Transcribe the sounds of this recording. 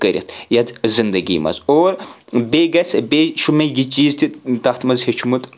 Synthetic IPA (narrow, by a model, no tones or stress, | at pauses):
kɐɾʲḭt̪ʰjɐd̪zind̪ɐɡʲḭːmɐ̰zoːɾbʲeːɡɐsbeʃʰumejit͡ʃiːzt̪ʰʲit̪ɐt̪ʰmɐzhet͡ʃʰumut̪